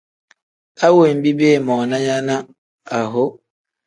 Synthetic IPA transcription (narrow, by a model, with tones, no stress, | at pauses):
a˦wo˨m̩˨˦bi˦be˦˨mɔː˨na˦ja˦na˦ | a˨ɦo˦